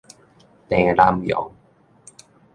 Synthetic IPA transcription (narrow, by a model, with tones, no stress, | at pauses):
t̪ɛ˨˩la˧mjɔ̰˨˦w